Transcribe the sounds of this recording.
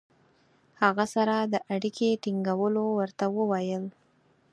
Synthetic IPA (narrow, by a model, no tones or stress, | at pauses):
haɣasaɾad̪əʔaɽikʰeʈiŋɡawəlowəɾt̪awəwajəl